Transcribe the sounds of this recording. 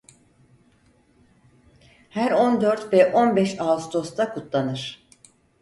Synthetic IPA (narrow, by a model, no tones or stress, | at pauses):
hæɾo̞nd̪øɾt̪vɛʔo̞nbɛʃast̪ʰo̞st̪ʰakʰut̪ʰlˠanɯɾ̥